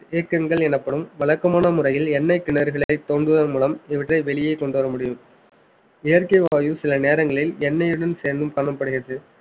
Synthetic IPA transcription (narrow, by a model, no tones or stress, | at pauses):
eːkːɐŋɡɐɭɛnɐpːɐɽɯmʋɐɭɐkːɐmaːnɐmʊɾɐjɪlɛnːɐɪkːɪɳɐɾɣɐɭɐɪt̪ːoːɳɖɯðɐmuːlɐmɪʋɐʈːrɐɪʋɛɭɪjɐɪkːɔɳɖɯʋɐɾɐmʊɽɪjɯm | ejɐɾkɐɪʋaːjɯsɪlɐneːɾɐŋɡɐɭɪlɛnːɐjɯɽɐnseːɾnd̪ɯmkɐɳɐmpːɐɽɯɣɪɾɐðɯ